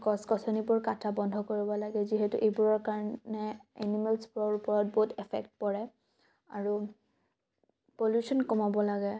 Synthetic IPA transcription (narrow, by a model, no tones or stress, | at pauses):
kɔskɔsɔnibʊɹkatʰabɔndʱɔkoɹibɔlaɡɛziɦɛtuʔejbuɹɔɹkaɹnɛɛ̰nimɛlsbuɹɔɹupɔɹɔt̚boɦutɛpʰɛ̰kt̚pɔɹɛ | aɹu | poljusɔnkɔmabɔlaɡɛ